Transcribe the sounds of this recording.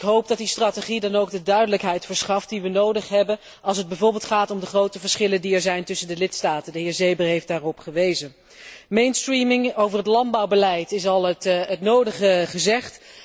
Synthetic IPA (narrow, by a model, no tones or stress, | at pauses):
ɪkɦowp̚dɑt̚distraːteχidɑnowɡdədœɥdələkɦɛjtfəɹsχɑft̚diʋənowdəχɦɛbən | ɑlˠs̬əd̚bɛjvʊːɹbɪːlˠtχaːtɔmdəχrowtəvəɹsχɪləndiɛɹzɛjntɵsəndəlɪtstaːtəndəɦɪːɹzejbərɦejftdaːrɔpχəʋejzən | mejnstrimɪŋowvərɦətlɑn̚bɑwbəlɛjtɪsɑlˠətətnowdəχəχəzɛχt